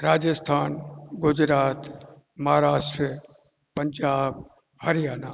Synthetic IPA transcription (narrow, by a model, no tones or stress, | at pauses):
ɾaːd͡ʒəst̪ʰaːnɡʊd͡ʑɾaːt̪ | mɐɦaːɾaːʃʈɾi | pɐɲd͡ʒaːb | hɐɾijaːna